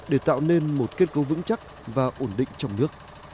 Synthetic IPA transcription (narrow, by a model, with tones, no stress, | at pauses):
ɗe˧˩t̪a̰ː˧˨wne˧nmo˨˩t̚ke˦˥t̚kə˨˦vɨ̰˧˥ŋt͡ɕa˦˥k̚ | vaː˨˩ʔo˧˩nɗḭ˧˨ŋ̟t͡ɕɔ˧wŋ͡mnɨ˦˥ək̚